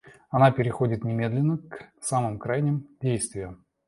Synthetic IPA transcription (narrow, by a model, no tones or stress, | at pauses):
ɐnapʲɪɾʲɪxo̞dʲɪt̪nʲɪmʲe̞d̪lʲɪnːəksamɨmkɾajnʲɪmdʲejst̪vʲɪjʊ